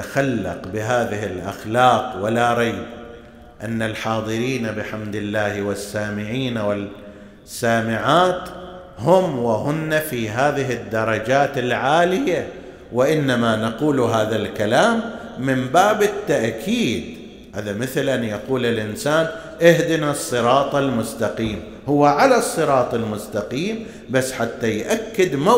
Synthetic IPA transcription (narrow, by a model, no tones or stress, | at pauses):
axalːɑ̰qbɪɦaːðɪhɪlʔa̰xlɑːqwalaɾˤɑj | ʔanːalħɑːðˤɨɾiːnabɪħamd̪ɪlːaːhwɪsːaːmɪʕiːnawɪl | sːaːmɪʕaːt̪ | hʊmwɪɦʊnːafiːɦaːðɪɦɪd̪ːɑɾˤɑd͡ʒaːt̪ɪlʕaːlɪja | wɪʔɪnːamanaquːlɦaːðalkalaːmː | ɪmbaːbɪt̪ːaʔkʰiːd̪ | ʔa̰ðamɪθlʔanjaquːlɪlʔɪnsaːn | ʔɪhd̪ɪnɑsˤːɨɾɑːt̪ˤɑlmʊst̪aqiːm | hʊwːaʕalasˤːɨɾˤɑːt̪ˤɪlmʊst̪ɑqiːm | basːħat̪ːajʔakːɪd̪ma